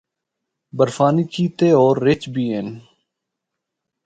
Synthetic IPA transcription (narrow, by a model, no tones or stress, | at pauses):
bəɾfaːniːkiːt̪eːoːɾːɪt͡ʃbiːɦen